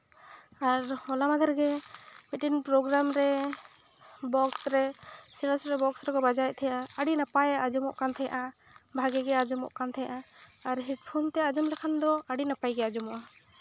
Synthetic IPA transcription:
aɾhɔlamad̪ʱaɾɡɛmiʈinpɾɔɡɾamɾɛ | bɔksɾɛsiɾəsɾɛbɔksɾɛkɔbad͡ʒajɛʔ̚t̪ʰɛjaʔaəɽinapajaʔad͡ʒumɔ̰ʔkant̪ʰɛja̰ʔabʱaɡɛɡɛad͡ʒumɔ̰ʔkant̪ʰɛja̰ʔaːɾɦiʈ̚pʰunt̪ɛad͡ʒumɾɛkʰand̪ɔaɽinapajɡɛad͡ʒumɔʔa

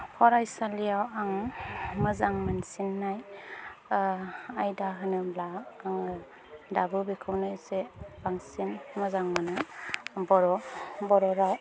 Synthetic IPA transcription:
pʰɔɾajsalijawaŋmɯzaŋmansinːaj | ajdaɦɯnɯmlaːŋ | dabɯbikʰɯwnɯjseb̥aŋsinmɯzaŋmanɯbɔɾɔbɔɾɔɾaw

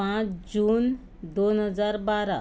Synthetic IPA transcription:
ãt͡ɕd͡ʑuːn | d̪onɦəd͡zaɾbaɾa

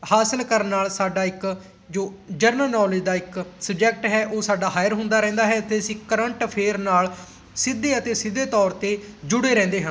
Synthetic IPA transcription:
haːsəlkəɾənːaːlsaːɖaːɪk | d͡ʒoːd͡ʒəɾnəlnɔːlɪd͡ʒd̪aːɪksəb̚d͡ʒɛːk̚ʈɦɛːʔoːsaːɖaːɦaːjəɾɦʊ̃nd̪aːɾɛ̃ːnd̪aːɦɛːt̪eːsiːkəɾəɳʈpʰeːɾnaːl | sɪd̪ːeːət̪eːsɪd̪eːt̪ɔːɾt̪eːd͡ʒʊɽeːɾɛ̃ːnd̪eːɦə̃n

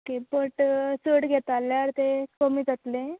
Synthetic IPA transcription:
okepəʈsəɽɡʱet̪alːaɾt̪ekəmiːd͡zat̪le

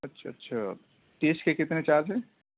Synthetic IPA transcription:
ɐtːʃʰaɐtːʃʰa | ʈ̪eːskekɪt̪net͡ʃaːɾd͡ʒɦɛ̃ː

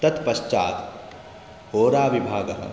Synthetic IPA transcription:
t̪ɐt̪pɐʃt͡ʃaːt̪ | hoːɾaːʋibʱaːɡɐɦɐ̰̃

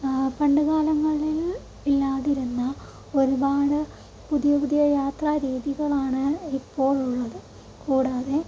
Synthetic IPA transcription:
pɐɳɖɨɣaːlɐŋːɐɭil | ilːaːðiɾunːɐ | o̞ɾubaːɽɨ | puðijɐpuðijɐjaːt̪raːɾiːðiɣɐɭaːɳɨipːo̞ːɭuɭːɐðɨ | kuːɽaːðe̞

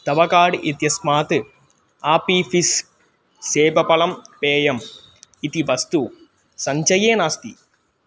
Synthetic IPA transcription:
t̪ɐʋɐkaːɽɨʔet̪jɐsmaːt̪ɨ | aːpifisː | eːbɐpɐlɐmpeːjɐm | it̪iʋɐst̪u | sɐɲt͡ʃɐjeːnaːst̪ḭ

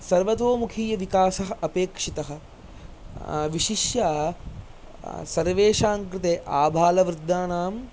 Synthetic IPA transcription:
sɐɾʋɐt̪ʋoːmukʰiːjɐʋikaːsɐɦɐɐpeːkʂit̪ɐɦɐ̆ | ʋiʃiʃjaː | sɐɾʋeːʃaːŋkɾɪt̪eːʔaːbʱaːlɐʋɾɪd̪ʱːaːnaːm

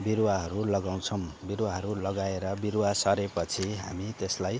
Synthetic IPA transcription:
biɾwaɦʌɾulʌɡaw̃t͡sʰʌw̃biɾwaɦʌɾulʌɡaeɾʌbiɾwasʌɾepʌt͡sʰiɦa̰mit̪eslaj

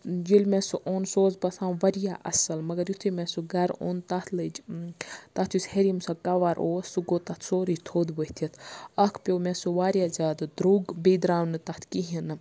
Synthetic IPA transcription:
d͡ʒilʲmẽsuʔoːnsoːzbɐsãːwʋɐɾijaʔɐ̰sɐlmɐɡɐɾjut̪ʰimẽsuɡɐɾo̰ːnt̪ɐt̪ʰlɨd͡ʒ | t̪ɐt̪ʰjusheɾimsɐkɐʋaɾʔoːsuɡoːt̪ɐt̪ʰsoːɾid͡ʒt̪ʰoːd̪bəht̪ʰɐt̪ʰɐkʰpʲomẽsuʋaːɾjaːzʲaːd̪ɨd̪ɾuːɡbid̪ɾaːwnɨt̪ɐt̪ʰkiɦinɨ

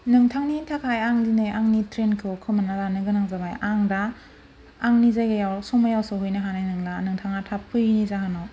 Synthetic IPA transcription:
nɯŋtʰaŋnitʰakʰajaŋdinejʔaŋnitɾenkʰɯwkʰɯmanalanɯɡɯnaŋzabajaŋdaː | ŋnizajɡajawsɔŋmajawsɯhujnaɦanajnɯŋlanɯŋtʰaŋatʰapʰːɯjnizaɦanɔ

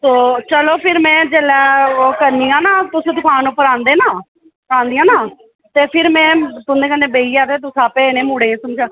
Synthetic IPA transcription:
soːt͡ʃəloːpʰɪɾmɛ̃ːd͡ʒeːlɛːoːkəɾniːãːnaːt̪ʊsẽːt̪ʊkʰaːnuːpəɾãːnd̪eːnaː | pəɾãːnd̪ijãːnaː | t̪eːpʰɪɾmɛ̃ːt̪ʊnd̪eːkənd̪ẽːbeiːaːt̪eːt̪ʊsaːpeːnẽːmuːɽẽːsʊmt͡ʃʰa

